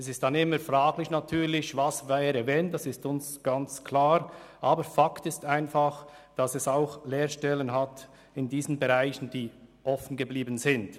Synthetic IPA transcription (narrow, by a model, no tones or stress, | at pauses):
ɛsɪstd̥anɪməɾfraːɡlɪçnatʰyːɾlɪçvasvaɾəvɛːnd̥asɪstʊnsɡ̥ant͡skʰlaːɾʔaːbəɾfaktɪstaɪnfaχd̥asɛsaʊxleːɾʃtɛlənɦat | ɪndiːzənbɛʁaɪçən̩d̥iːʔɔfən̩ɡəbliːbən̩zɪnt